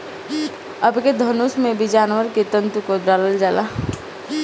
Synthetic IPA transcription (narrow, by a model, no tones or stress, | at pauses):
əbked̪ʱənusmẽbʱid͡ʒaːnʋəɾket̪ə̃nt̪ukoɖaːləld͡ʒaːla